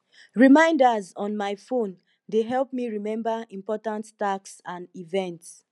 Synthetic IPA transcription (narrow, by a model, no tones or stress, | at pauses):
ɹimãɪ̃ndazɔ̃nmaɪfõn | deɦɛlˠp̚miɹimɛ̃mbaĩmpɔtãnttaksãnivɛ̃nts